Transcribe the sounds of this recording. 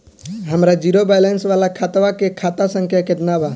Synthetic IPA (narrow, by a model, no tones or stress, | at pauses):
ɦəmɾad͡ʒiɾobajlensʋalakʰat̪ʋakekʰat̪asə̃ŋkʰjaked̪ənaba